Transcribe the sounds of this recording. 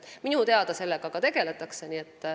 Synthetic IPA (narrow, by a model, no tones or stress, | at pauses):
minut̪e̞ɑd̪̥ɑse̞lːeɡ̥ɑkɑt̪e̞ɡ̥e̞le̞t̪ːˑɑkse̞niːet̪ːˑ